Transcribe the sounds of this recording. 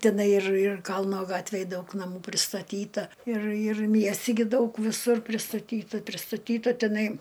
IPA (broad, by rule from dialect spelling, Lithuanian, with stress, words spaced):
tʲɪˈnɐɪ ɪr ɪr ˈkɐlˠnoː ˈɡɑːtʲʋʲeːj ˈdɐʊk nɐˈmuː pʲrʲɪstɐˈtʲiːtɐ ɪr ɪr ˈmʲiɛsʲtʲɪ ɡʲɪ ˈdɐʊk ʋʲɪˈsʊr pʲrʲɪstɐˈtʲiːtɐ pʲrʲɪstɐˈtʲiːtɐ tʲɛˈnɐɪ